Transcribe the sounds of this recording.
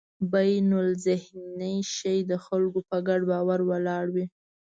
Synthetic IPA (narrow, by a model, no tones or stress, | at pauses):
bajnʊlzɪhnəjʃəjd̪əxalɡopəɡaɖbɑwaɾwəlɑɽwi